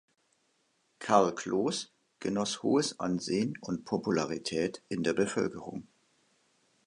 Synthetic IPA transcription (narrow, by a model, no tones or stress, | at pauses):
kʰaɐlkʰl̥oːs | ɡ̥ənɔshoːəsʔa̰nzeːənʊntpʰopulaʁitʰɛːtʔɪndeːɐbəfœlkəʁʊŋ